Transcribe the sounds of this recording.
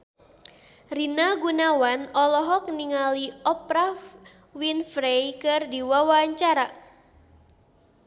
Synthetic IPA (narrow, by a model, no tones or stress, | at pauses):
rinaɡunawanɔlɔɦɔk̚niŋaliɔpɾaf | winfɾejkɨrdiwawaɲt͡ʃaɾa